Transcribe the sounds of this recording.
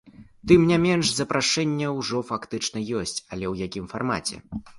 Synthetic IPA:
t̪ɨmnʲamʲɛnʂzɐpɾʔaʂɛnʲːɛwʐɔfakt̪ɨt͡ʂnɐjɔsʲt͡sʲɐlʲɛwjakʲimfarma̰t͡sʲɛ̰

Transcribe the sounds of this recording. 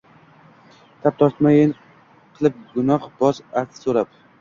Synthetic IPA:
t̪ʰap̚t̪ʰɒɾt̪majɪn | qʰɨlˠɪp̚ɡʊnɒχbɒsaɾt̪ʰɪ̥soɾap̚

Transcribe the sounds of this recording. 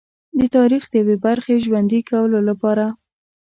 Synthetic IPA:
d̪ət̪ɑɾixd̪əjawebaɾxeʒwand̪ikawəlolapɑɾa

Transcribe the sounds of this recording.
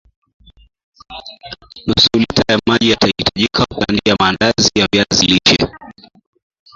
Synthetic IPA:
nusulitajamaʄijatahitaʄikʰakandijamaːndazijavjaziliʃɛ̰

